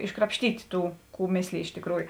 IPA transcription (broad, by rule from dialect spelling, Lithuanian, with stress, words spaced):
ɪʃkrɐpʲʃʲˈtʲiːtʲɪ ˈtuː ˈkuː ˈmʲeːsʲlʲeːj ˈɪʃ tʲeːkˈruːjʊ